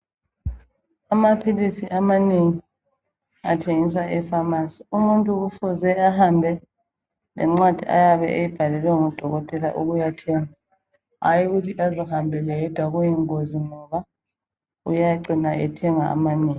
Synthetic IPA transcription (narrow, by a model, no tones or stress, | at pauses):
amapʰilisiʔamaneŋi | atʰeŋiswaʔɛfamasi̥umuntʼuusɔzɛahambʱɛ | lɛ̰ŋ͡ǁwad̥ʱia̰jaβɛ̰ʔejib̥ʱalɛlwɛŋɔd̥ʱɔɣɔtʼɛla̰ʔuɣujatʰɛŋa | ajiɣutʰiʔazihambʱɛlɛɛd̥ʱwaɣujɛŋoziŋɔβa | ujaǀinaʔɛtʰɛŋaa̰maneːŋi